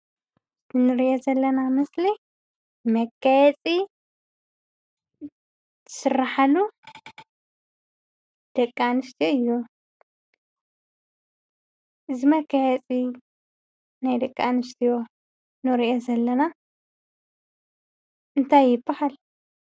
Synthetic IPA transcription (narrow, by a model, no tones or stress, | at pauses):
zɨnɨɾiʔozɐlːɐnamɐsli | mɐkʰːɐjɛt͡sʼi | t̪ʰɨ̥sɨrːaħalu | d̪̥ɐkʼːanɨʃt̪ʰijoɨjːu | ɨzimɐkʰːajɛt͡sʼi | najd̪ɐkʼːanɨʃt̪ʰijo | nɨɾiʔozɐlːɐna | ɨnt̪ʰajːɪbːɐhal